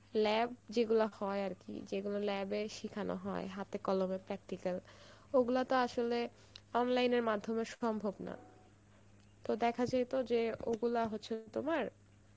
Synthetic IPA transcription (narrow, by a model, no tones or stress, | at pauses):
lɛb̚d͡ʑeɡulahɔeaɾkḭd͡ʑeɡulalɛbeʃikʰano̰ɦɔeɦat̪ekɔlomepɾɛk̚ʈikaloɡulat̪oaʃole | ɔnlajneɾmad̪ʱːomeɾʃɔmbʱobna̰ | t̪od̪ɛkʰad͡ʑajt̪od͡ʑeoɡulaɦotːɕʰet̪omaɾ